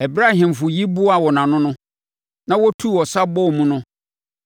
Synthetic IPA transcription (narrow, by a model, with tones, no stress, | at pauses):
ɛ˨bɾa˦hɪ̃˨m˨fʊ˨ji˦bu˦a˨wɔ˨nã˨nʊ̃˦nʊ̃˦ | nã˦wɔ˦tʰu˦˨ɔ˨sa˦bɔ˦˨mũ˦nʊ̃˦